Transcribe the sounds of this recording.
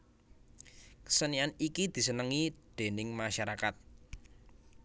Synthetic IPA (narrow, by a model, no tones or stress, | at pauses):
kə̥sənianikid̪̥i̤sənəŋid̪̥e̤nɪŋmaʃaɾakat̪̚